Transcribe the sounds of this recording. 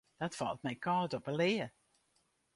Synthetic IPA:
d̥ɑtfɑ̰lˠt̚mɛjkɑːtɔpəlɪːə

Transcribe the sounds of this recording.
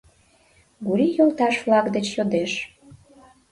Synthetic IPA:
ɡuɾijolˠt̪ɑʃflɑkd̪et͡ɕjod̪eʃ

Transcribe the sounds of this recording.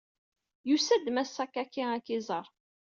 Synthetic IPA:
jusæd̪mæsækːakːiækːizˤəɾˤ

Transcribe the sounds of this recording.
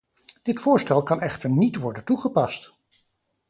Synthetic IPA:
d̥ɪtfʊːɹstɛlˠkɑnɛχtəɹnitʋɔɹdəntuχəpɑst

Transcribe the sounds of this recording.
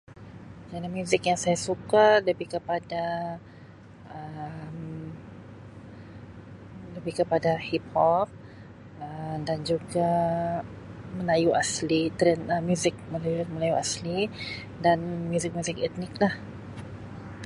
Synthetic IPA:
d͡ʒanamjuzɪkjaŋsajasukaləbikəpada | ʔəm | ləbikəpadahip̚hɔp̚ | ədand͡ʒuɡa | mə̃lajuaslit̪əɾənəmjuzɪk̚məlajuməlajuʔasli | danmjuzɪk̚muzɪkɛt̪nɪk̚lah

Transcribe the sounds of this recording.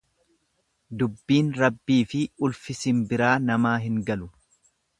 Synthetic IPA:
d̪ʊbːiːnɾɐbːiːfɪʊlfɪsɪnbɪɾaːnɐmaːɦɪŋɡɐlʊ

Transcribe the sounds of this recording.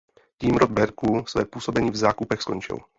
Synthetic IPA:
ciːmɾod̪̚bɛɾkusvɛːpuːsobɛɲiːvzaːkupɛxskoɲt͡ʃɪ̰l

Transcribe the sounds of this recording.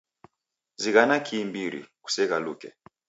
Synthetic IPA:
ziɣanakʰiːmbiɾḭku̥sɛɣalukɛ̰

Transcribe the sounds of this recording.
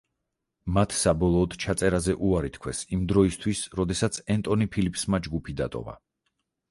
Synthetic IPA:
mat̪ʰsabɔlˠɔːd̪t͡ʃʰat̪sʼɛɾazɛʔuaɾit̪kʰwɛsimd̪ɾɔist̪ʰwisɾɔd̪ɛsat̪sʰɛnt̪ʼɔnipʰilipʰsmad͡ʒɡupʰid̪a̰t̪ʼɔ̰va̰

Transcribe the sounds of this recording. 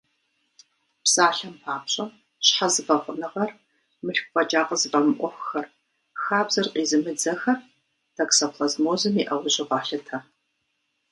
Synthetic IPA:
psʼaːɬɐmpʰaːpɕʼɐm | ɕħazɨfɐχʷʊnɨʁɐr | mɨɬkʷfʼɐd͡ʒaːqɐzɨfʼɐmɨʔʷɔxʷxɐr | xaːbz̥ɐrqʼiːzɨmɨd͡zɐxɐr | d̥ʰɐksɐpʰlɐzmoːzɨmiʔɐwʊɕʼɪʁɑːɬɐtʰɐ

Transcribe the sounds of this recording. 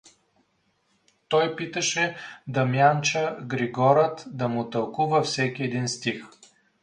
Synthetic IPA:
t̪ɔjpit̪əʃɛd̪ɐmjant͡ʃəɡɾiɡɔɾət̪d̪ɐmut̪əlˠkuvəfsɛkʲiɛd̪inst̪ix

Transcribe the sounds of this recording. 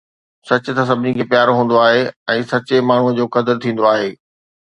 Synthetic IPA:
sɐt͡ɕʊ̆t̪ɐs̬ɐbʱɪnikʰeːpjaːɾoɦũːn̆d̪oaːɦeɛ̃ːsɐt͡ɕemaːɳ̤uə̆d͡ʑoːkɐd̪əɾt̪ʰĩːn̆d̪oaːɦeː

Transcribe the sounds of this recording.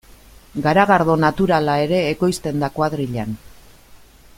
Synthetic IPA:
ɡaɾaɣaɾðo̞nat̪uɾalae̞ɾe̞ːko̞jst̪e̞nd̪akwaðɾiʎan

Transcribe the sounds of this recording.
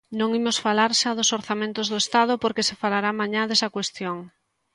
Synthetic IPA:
nõŋimosfalaɾʃaðosoɾθamẽnt̪ʊzðoest̪að̞opoɾkesefalaɾamãɲaðesɐkwest̪joŋ

